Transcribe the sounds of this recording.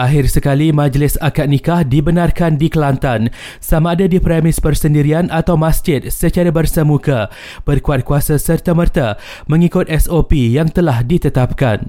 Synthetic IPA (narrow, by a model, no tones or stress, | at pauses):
ʔaɦɪrsəkalimãd͡ʒlɪsakat̪̚nikahdibənãrkandikəlant̪an | samaːdadipɾɛmɪspərsəndiɾianat̪awmasd͡ʒɪt̪̚sət͡ʃaɾabərsəmũka | b̥ərkuat̪̚kuasasərt̪amərt̪a | mə̃ŋikʊt̪̚ʔɛsopijaŋt̪əlahdit̪ət̪ap̚ka̰n